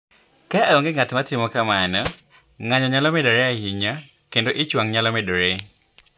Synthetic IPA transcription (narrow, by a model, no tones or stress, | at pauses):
kaɔŋɡɪŋatmatɪmɔkamanɔ | ŋaɲɔɲalɔmedoɾeahiɲa | kendoʔɪt͡ʃwaŋɲalɔmedoɾe